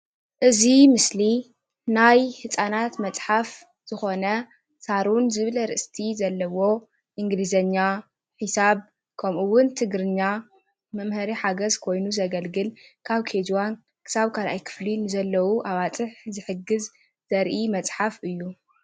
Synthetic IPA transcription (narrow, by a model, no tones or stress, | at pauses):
ʔɨzimɨsli | najhɨt͡sʼanat̪mɐt͡sʼħaf | z̥ɨxo̞nɐ | saɾunzɨβlɐɾɨʔɨst̪ʰizɐlːɐwo̞ | ʔɨŋɡlizɐɲːa | ħisaβ | kʰɐmʔuwʊnt̪ʰɨɡɾɨɲːa | mɐmhɐɾiħaɡɐzkʰo̞jnuzɐɡɐlɡɨlkʰaβkʰed͡ʒwan | kʰɨ̥saβkʰalʔajkʰɨ̥flinɨzɐlːɐwuʔaβat͡sʼɨħzɨħɨɡɨz | z̥ɐɾʔimɐt͡sʼħafɨjːu